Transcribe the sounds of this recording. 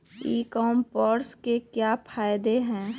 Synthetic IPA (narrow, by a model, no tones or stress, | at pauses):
iːkɔmpɔɾskekjapʰaːjd̪eɦɛ̃ː